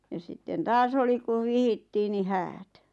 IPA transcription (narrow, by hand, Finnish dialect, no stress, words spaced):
jɑ sitːen tɑːs oli kuʋ ʋihitːiː ni hæːt